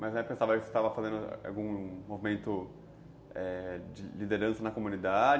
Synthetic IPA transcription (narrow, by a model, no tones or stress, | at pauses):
mɐzɛpẽsavɐse̥st̪avɐfazẽnd̪ʊ̰a̰wɡũmovimẽnt̪ʊ | ɛd͡ʒɪlid̪eɾɐ̃sɐnɐkomũnid̪ad͡ʒ